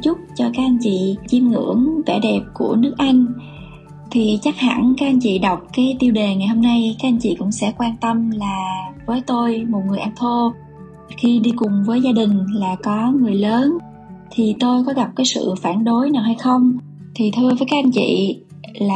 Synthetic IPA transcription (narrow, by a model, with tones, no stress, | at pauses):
t͡ɕʊ˦˥k͡p̚t͡ɕɔ˧kaː˦˥k̚ʔa˧nt͡ɕḭ˧˨t͡ɕi˧mŋɨ̰˧˥əŋvɛ̰˧˩ɗɛ˨˩p̚ku˧˩ənɨ˦˥ək̚ʔa˧jŋ̟ | t̪ʰi˨˩t͡ɕa˦˥k̚ha̰˧˩nkaː˦˥k̚ʔa˧n̟t͡ɕḭ˧˨ɗə˨˩wk͡p̚kaː˨˦jt̪i˧wɗe˨˩ŋa˨˩jho˧mna˧jkaː˨˦˥k̚ʔa˧jn̟t͡ɕḭ˧˨kʊ̰˧˥ŋ͡msɛ̰˧˥kwaː˧nt̪ə˧mlaː˨˩vəː˨˦jt̪o˧jmo˨˩t̚ŋɨ˨˩əjʔa˧nt̪ʰo˧ | xi˧ɗi˧kʊ˨˩ŋ͡mvəː˨˦jzaː˧ɗï˨˩ŋ̟laː˨˩kɔ˨˦ŋɨ˨˩əjləː˨˦n | t̪ʰi˨˩t̪o˧jkɔ˨˦ɣa˨˩p̚kaː˨˦jsɨ̰˧˨faː˧˩nɗo˨˦jnaː˨˩wha˧jxə˧wŋ͡m | t̪ʰi˨˩t̪ʰɨ˧əvəː˨˦jkaː˦˥ʔa˧nt͡ɕḭ˧˨ | laː˨˩